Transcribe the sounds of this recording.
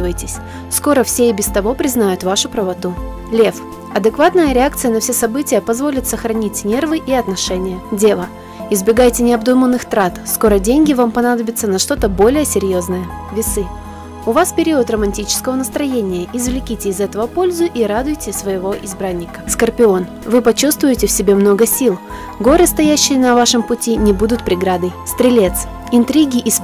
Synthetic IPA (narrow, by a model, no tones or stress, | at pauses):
vəjtʲɪsʲ | sko̞ɾəfsʲeɪbʲɪst̪ɐvo̞pɾʲɪznajʊt̪vaʂʊpɾəvɐt̪u | lʲef | ɐd̪ɨkvat̪nəjəɾʲɪak̚t̪sɨjənɐfsʲesɐbɨtʲɪjəpɐzvo̞lʲɪt̪səxɾɐnʲitʲnʲe̞rvɨʔiɐt̪nɐʂɛnʲɪjədʲe̞lˠə | ɪzbʲɪɡajtʲɪnʲɪɐbd̪umənːɨxt̪ɾat̪sko̞ɾədʲenʲɡʲɪvampɐnad̪əbʲɪt̪sːənɐʂt̪o̞t̪əbo̞lʲɪjəsʲɪɾʲjo̞znəjə | vʲɪsɨ | ʊvaspʲɪɾʲiʊt̪rəmɐnʲtʲit͡ɕɪ̥skəvənəst̪ɾɐjenʲɪjəʔɪzvlʲɪkʲitʲɪːzɛt̪əvəpo̞lʲzʊʔiɾad̪ʊjtʲɪsvəjɪvo̞ʔɪzbɾanʲːɪkə̥skərpʲɪo̞n | vɨpɐt͡ɕust̪vʊjɪtʲɪfsʲɪbʲe̞mno̞ɡəsʲilˠ | ɡo̞ɾɨst̪ɐjæɕːɪjənɐvaʂɨmpʊtʲinʲɪbud̪ʊt̪̚pɾʲɪɡɾad̪əjst̪ɾʲɪlʲet̪s | ɪnt̪ɾʲiɡʲɪʔs